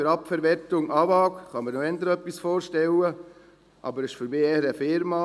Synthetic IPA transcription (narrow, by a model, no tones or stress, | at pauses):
øɾɑpfɛɾʋɛɾtʊŋʔɑːvɑːkχɑməɾnoɛnd̪əɾœpːisfoːɾʃtɛlə | ʔɑ̰bəɾɪʃføɾbeːɛɾəfɪɾmɑ